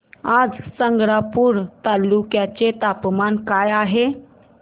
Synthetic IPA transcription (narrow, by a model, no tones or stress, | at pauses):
ad͡zsəŋɡɽapuɾt̪alːukjat͡ɕet̪apmankajaɦe